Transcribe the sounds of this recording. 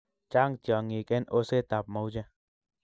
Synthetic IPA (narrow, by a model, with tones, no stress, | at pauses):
t͡ʃa˦ŋtjɔ˨ŋi˨kɛ˦no˦se˦˨t̪a˨p̚mo˨wd͡ʒɛ˦